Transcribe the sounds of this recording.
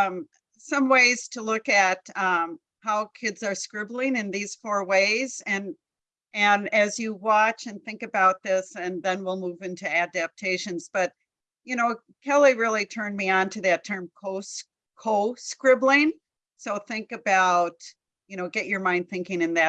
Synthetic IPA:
sʌ̃mweɪz̥tʰəlʊkɨt̚ʌ̃m | haʊkʰɪdzə˞skɹɪbl̩ˠɪ̃ŋɨ̃nðiz̥fɔɹweɪzɨ̃n | ʔɨ̃nɨzjɨwɑt͡ʃɨ̃nθɪ̃ŋkɨbaʊt̪̚ðɪsɨ̃nðɨ̃nwilˠmuvɪ̃ntʰʉædɨp̚tʰeɪʃɨ̃nz̥b̥ʌt̚ | jɨñoʊ | kʰɛlˠiɹɪlˠitʰɜ̃˞nmiə̃ntʰʉðɨtʰɜ̃˞mkʰoʊs | kʰoʊskɹɪblˠɪ̃ŋ | soʊθɪ̃ŋkɨbaʊt̚ | jɨñoʊɡɛt͡ʃə˞mãɪ̃nd̪̚θɪ̃ŋkɪ̃ŋɨ̃nðɨ

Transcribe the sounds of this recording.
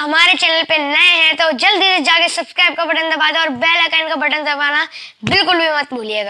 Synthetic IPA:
hɐmaːɾet͡ʃɛːnəlpenɐeɦɛ̃t̪od͡ʒɐld̪iːsd͡ʒaːkesɐbskɾaːɪb̚kabɐʈənd̪ɐbaːd̪aɔːɾbɛːlakaːɪnkabɐʈənd̪ɐbaːnabɪlkʊlbʱimɐt̪̚bʱuːlieːɡaː

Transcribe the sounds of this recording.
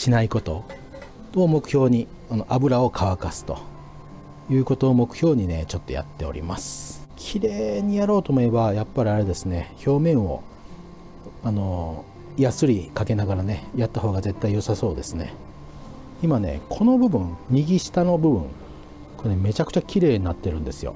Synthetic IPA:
ɕinaiko̞t̪o̞ | omo̞kɯ̟̥çʲo̞ːɲ̟i | ano̞ʔabɯ̟ɾao̞kʰaβakasɨ̥t̪o̞̰ | jɯ̟ːko̞t̪o̞ːmo̞kɯ̟̥çʲo̞ːɲ̟ine̞t͡ɕo̞t̪ːo̞ja̰t̪ːe̞o̞̰ɾʲḭmasɨ̥kʲʰiɾe̞ːɲ̟ijaɾo̞ːt̪oːmoe̞bajapːaɾʲiaɾe̞d̪e̞sɨne̞ço̞ːmẽ̞ɰ̃o̞̰ | ano̞ | jasɨɾʲikake̞naɡaɾane̞jat̪ːaɦo̞ːɡaze̞t̪ːaijo̞saso̞ːd̪e̞sɨne̞̰ | imane̞̰kʰo̞no̞bɯ̟bɯ̟̃ŋɲiɡʲiɕi̥t̪ano̞bɯ̟bɯ̟̰̃ŋ | ko̞ɾenme̞t͡ɕakɯ̟̥t͡ɕakʲiɾe̞ːɲ̟inat̪ːe̞ɾɯ̟̃nd̪e̞sɨjo̰

